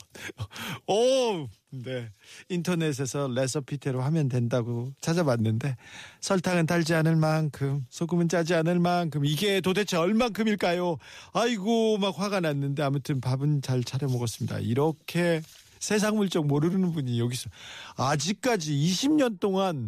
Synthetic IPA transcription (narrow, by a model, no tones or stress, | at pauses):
ʌ | ne̞intʰʌne̞s̬ʰe̞sʰʌle̞s̬ʰʌpʰitʰe̞ɾohamjʌndwe̞ndaɡot͡ɕʰad͡ʑabanːɯnde̞sʰʌɭtʰaŋɯntaʎd͡ʑianɯnmankʰɯmsʰoɡɯmɯnt͡ɕ͈ad͡ʑianɯnmankʰɯmiɡetodʰet͡ɕʰeʌɭmankʰɯmiɭk͈ajoaiɡomak̚ɸwaɡananːɯnde̞amutʰɯnpabɯnt͡ɕaɭt͡ɕʰaɾjʌmoɡʌs͈ɯmɲida̰iɾʌkʰe̞ | sʰe̞s̬ʰaŋmuɭt͡ɕ͈ʌk̚moɾɯɾɯnɯnbuɲijʌɡisʰʌad͡ʑik̚k͈ad͡ʑiːɕʰimɲʌnt͈oŋan